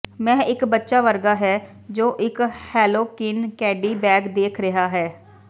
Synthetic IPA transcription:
mɛ̃ːʔɪkbətːʃaːʋəɾɡaːɦɛː | d͡ʒoːʔɪkhɛːloːkɪnkɛːɖiːbɛːɡd̪eːkʰɾəɦaːɦɛː

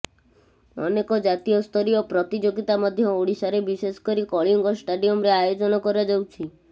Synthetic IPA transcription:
ɔnekɔd͡ʒat̪ijɔst̪ʰɔɾiopɾɔt̪id͡ʒoɡit̪amɔd̪ʱjɔoɽisaɾebisesɔ̥kɔɾikɔɭiŋɡɔsʈaɖiɔmɾeajod͡ʒɔnɔkɔɾad͡ʒɔwt͡ʃʰi

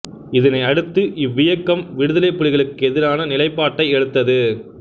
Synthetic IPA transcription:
ɪðɐnɐɪɐɽɯt̪ːɯʔɪʋːɪjɐkːɐmʋɪɽɯðɐlɐɪpːɯɻɪɣɐɭɯkːɯɛðɪɾaːnɐnɪlɐɪpːaːʈːɐɪɛɻɯt̪ːɐðɯ

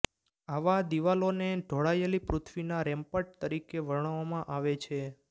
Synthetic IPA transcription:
aʋad̪iʋaloneɖʱoɭajelipɾut̪ʰʋinaɾɛmpəʈ̚t̪əɾikeʋəɾɳ̃ʋamãʔaʋet͡ʃʰe

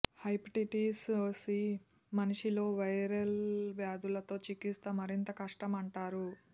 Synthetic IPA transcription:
hɐjpʈiʈiːsoːsi | mɐniʂilo̞ːʋɐjɾɐlʋjaːd̪ulɐt̪o̞ːt͡ʃikːist̪ɐmɐɾint̪ɐkɐʂʈɐmɐɳʈaːɾu

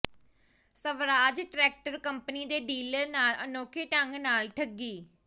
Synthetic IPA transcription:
səʋɾaːd͡ʒʈɾɛːk̚ʈəɾkəmpəniːd̪eːɖiːləɾnaːlənoːkʰeːʈəŋɡnaːlʈʰəɡːiː

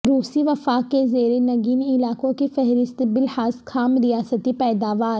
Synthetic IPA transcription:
ɾuːsiʋɐfaːkːezeːɾenɐɡiːnɪlaːkõkifɛɦɾɪst̪bɪlhaːzkʰaːmɾijaːsət̪ipɛːd̪aːʋaːɾ

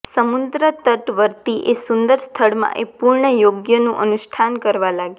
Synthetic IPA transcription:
səmund̪ɾət̪əʈʋəɾt̪iʔesund̪əɾst̪ʰəɭmã̰ʔepuɾɳəjoɡjənũʔənuʃʈʰankəɾʋalaɡ

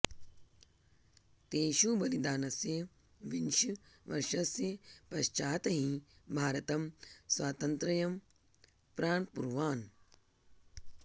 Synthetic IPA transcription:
t̪eːʃubɐlid̪aːnɐsje | ʋinʃiʋɐɾʂɐsjɐpɐʃt͡ʃaːt̪ɐɦĩbʱaːɾɐt̪ɐmsʋaːt̪ɐnt̪ɾɐjɐm | pɾaːɳpuɾʋaːn

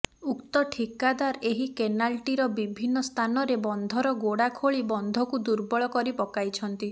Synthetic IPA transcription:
ukt̪ɔʈʰikad̪aɾeɦikenalʈiɾɔbibʱinːɔst̪ʰanɔɾebɔnd̪ʱɔɾɔɡoɽakʰoɭibɔnd̪ʱɔkud̪uɾbɔɭɔkɔɾipɔkajt͡ʃʰɔnt̪i

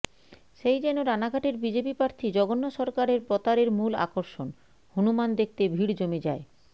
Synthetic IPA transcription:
ʃejd͡ʑɛnoɾanaɡʱaʈeɾbid͡ʑepipɾaɾt̪ʰid͡ʑɔɡonːoʃɔɾkaɾeɾpɾɔt̪aɾeɾmula̰koɾʃon | hunumand̪ek̚ʰt̪ebʱiɽd͡ʑomed͡ʑae

